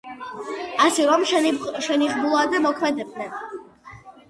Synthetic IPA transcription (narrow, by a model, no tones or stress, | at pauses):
asɛɾɔmʃɛniʁbulˠad̪ɛmɔkʰmɛd̪ɛb̚d̪nɛn